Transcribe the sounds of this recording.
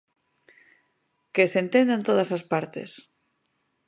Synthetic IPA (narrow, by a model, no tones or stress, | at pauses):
kesent̪end̪ant̪oð̞asaspaɾt̪ḛs